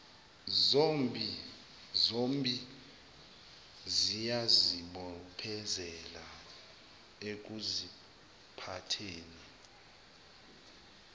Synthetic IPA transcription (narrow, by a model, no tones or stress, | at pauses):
zombi | zombʼi | zijaziɓɔpʰɛzɛla | ek̬uzi | pʰatʰeːni